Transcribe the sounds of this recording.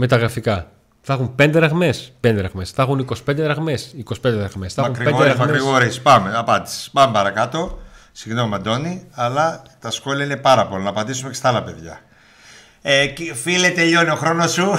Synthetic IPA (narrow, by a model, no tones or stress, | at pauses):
me̞t̪ɐɣɾɐfikɐ | θɐxumpe̞nd̪eɾɐɣme̞spend̪eɾɐɣmesθɐxuniko̞si̥pend̪eɾɐɣme̞siko̞si̥pend̪eɾɐɣmesθɐxumɾieɾɐɣɐɾiɣoɾispɐmeɐpɐnd̪i̥si̥pɐmepɐɾɐkɐt̪o̞siɣno̞mɐnd̪o̞niɐlɐt̪ɐsxo̞liɐine̞pɐɾɐpolɐnɐpɐd̪isumecest̪ɐɐlɐpe̞ðʝɐ̰ | ecfilet̪eʎo̞nioxɾo̞no̞su